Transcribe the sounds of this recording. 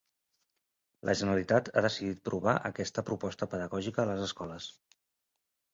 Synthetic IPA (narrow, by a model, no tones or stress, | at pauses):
lʔə̰ʒənəɾəlit̪at̪aðəsiðit̪̚pɾʔuβaʔəkɛst̪əpɾupɔst̪əpəðəɣɔʒikəːləzəskɔləs